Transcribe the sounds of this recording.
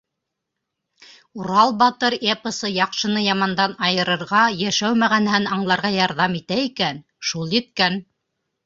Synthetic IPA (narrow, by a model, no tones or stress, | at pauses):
uɾɑlˠbɑt̪ɤɾepəsɤjɑqʃɤ̆nɤjɑmɑnd̪ɑnɑjɤ̆ɾɤ̆ɾʁɑjæʃæwmæʁænhænɑɴlˠɑɾʁɑjɑɾðɑmit̪æikæn | ʃulˠjɘ̆t̪̚kæn